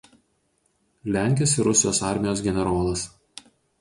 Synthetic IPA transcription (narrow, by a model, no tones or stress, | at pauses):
lʲæˑŋʲkʲɪsɪɾʊsʲɪjoːsɑˑɾʲmʲɪjoːsɡʲɛnʲɛɾoːlˠɐs